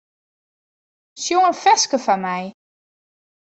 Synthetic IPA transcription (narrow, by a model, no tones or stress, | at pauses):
sjoənfɛskəfanmɛj